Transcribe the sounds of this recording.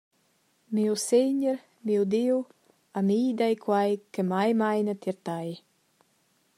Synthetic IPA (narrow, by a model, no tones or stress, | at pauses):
miwseɲəɾ | miwd̪iw | amiːd̪ajkʰwajkəmajmajnat̪jɛɾt̪aj